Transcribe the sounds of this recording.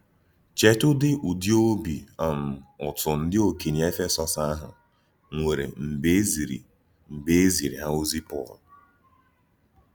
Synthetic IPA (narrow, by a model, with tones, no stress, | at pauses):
t͡ʃe˦tʊ˦dɪ˦ʔu˨di˦o˦bi˨a˨m̩˨ʊ˨tʊ˨n̩˦dɪ˦o˨ki˨ni˨e˦fe˦sɔ˨sa˦ɦʊ̰˨ | ŋʷe˨ɾḛ˨m̩˨be˦zi˨ɾḭ˨ | m̩˨be˦e˦zi˨ɾḭ˨ɦa˦o˦zi˦pɔ˦˨l